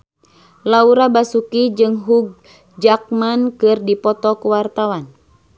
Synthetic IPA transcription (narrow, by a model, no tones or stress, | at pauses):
lauɾabasukid͡ʒɨŋɦuɡ̚ | d͡ʒak̚mankɨrdipɔt̪ɔkuwart̪awan